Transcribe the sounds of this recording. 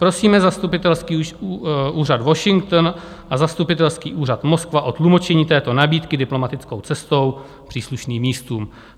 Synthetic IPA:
pɾo̞siːmɛzast̪upɪt̪ɛlskiː | ʔuːrad̪vo̞ʃɪŋk̚t̪n | ʔazast̪upɪt̪ɛlskiːʔuːrat̪mo̞skvaʔo̞t̪lumo̞t͡ʃɛɲiːt̪ɛːt̪o̞nabiːt̪kɪdɪplo̞mat̪ɪt͡sko̞wt͡sɛst̪o̞w | pr̥iːsluʃniːmːiːst̪uːm

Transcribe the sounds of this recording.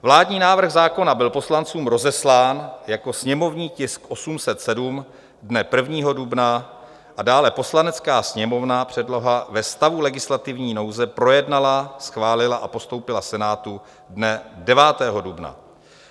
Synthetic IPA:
vlaːdɲiːnaːvr̩ɣzaːko̞nabɪlpo̞slant͡suːmɾo̞zɛslaːnjako̞sɲɛmo̞vɲiːcɪskʔo̞sumsɛt̪sɛdum | dnɛpr̩vɲiːɦo̞dubna | ʔadaːlɛpo̞slanɛt͡skaːsɲɛmo̞vnapr̝̥ɛdlo̞ɦavɛst̪avulɛɡɪslat̪ɪvɲiːno̞wzɛpɾo̞jɛdnalasxvaːlɪlaʔapo̞st̪o̞wpɪlasɛnaːt̪u | dnɛdɛvaːt̪ɛːɦo̞dubna̰

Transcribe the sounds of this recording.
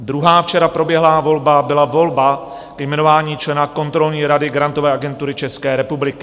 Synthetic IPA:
d̪ɾuɦaːft͡ʃɛɾapɾobjɛɦlaːvo̞lbabɪlavo̞lba | kɛjmɛno̞vaːɲiːt͡ʃlɛnako̞nt̪ɾo̞lɲiːɾadɪɡɾant̪o̞vɛːʔaɡɛnt̪uɾɪt͡ʃɛskɛːɾɛpublɪkɪ

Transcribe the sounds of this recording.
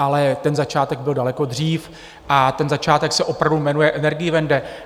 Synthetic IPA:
ʔalɛt̪ɛnzat͡ʃaːt̪ɛɡ̚bɪldalɛko̞d̪r̝iːf | ʔat̪ɛnzat͡ʃaːt̪ɛksɛʔo̞pɾavdumɛnujɛʔɛnɛɾɡɪjɪvɛndɛ

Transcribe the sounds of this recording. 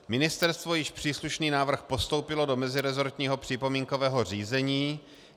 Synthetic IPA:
mɪnɪst̪ɛɾst̪vo̞jɪʃpr̝̥iːsluʃniːnaːvr̩xpo̞st̪owpɪlo̞do̞mɛzɪɾɛzo̞ɾt̪ɲiːɦo̞pr̥ɪpo̞miːŋkovɛːɦo̞r̝iːzɛɲiː

